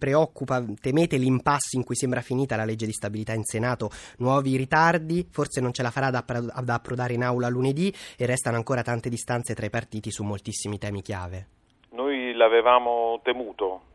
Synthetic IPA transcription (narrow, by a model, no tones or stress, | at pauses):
pɾeɔkːupat̪emeːt̪elimpasːiŋkujsembɾafiniːt̪alaled͡ʒːed̪ist̪abilit̪ainsenaːt̪onwɔːviɾit̪ard̪iforsenont͡ʃelafaɾad̪ad̪aːpːɾovaːɾeinawlaluned̪ierːɛst̪anoaŋkoːɾat̪ant̪ed̪ist̪ant̪set̪ɾaipart̪iːt̪isumːolt̪isːimit̪ɛːmik̟ja̰ːve | nojlavevaːmot̪emuːt̪o